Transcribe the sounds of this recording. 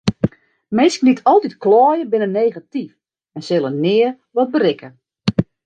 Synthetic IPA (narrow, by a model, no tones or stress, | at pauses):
mɪnsknitʰɔlˠtitklɔːjəbɪnəneːɣatif | ɛnsɪlˠənɪːə | ʋɔt̚bərɪkʰə